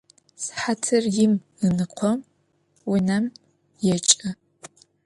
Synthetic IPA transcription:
sħatʰɨrjɪm | ɨnɨqʷʰɔm | wʊnɐm | jɛt͡ʃʼɐ

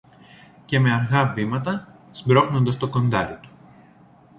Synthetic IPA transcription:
ce̞me̞ɐɾɣɐvimɐt̪ɐsbɾo̞xno̞nd̪ɐst̪o̞ko̞nd̪ɐɾit̪u̥

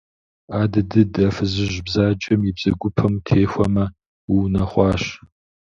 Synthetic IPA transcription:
aːdɨdɨdɐfɨzɨʑbzaːd͡ʒʼɐmjɪbz̥ɐɡʷʊpʰɐmtʰeːxʷɐmɐ | wiwnɐχʷɑːɕ

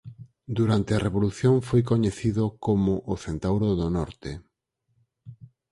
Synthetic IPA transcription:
d̪uɾant̪eɐreβoluθjoŋfojk̬oɲeθiðokomʊʔːθent̪awɾoðonɔɾt̪e

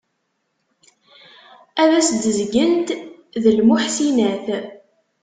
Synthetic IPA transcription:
æðæsd̪əzɡənt̪ðəlmʊħsinæθ

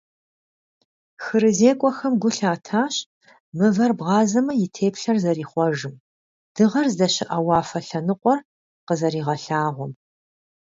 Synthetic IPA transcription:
xɨɾɨzeːkʷʼɔxɐmɡʷʊɬaːtʰaːɕ | mɨvɐrbʁɑːzɐmɐjɪtʰeːpɬɐrzɐɾiːχʷɔʒɨm | d̥ɨʁɐrzdɐɕɪʔɐwɑːfɐɬɐnɨqʷʼɔr | qəzɐɾiːʁɐɬaːʁʷɔm

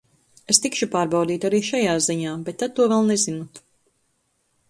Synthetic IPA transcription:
est̪ikʃupaːɾbawd̪iːt̪aɾiːʃajaːziɲaːbet̪ːad̪̚t̪ːuɔvɛlˠnezinut̪

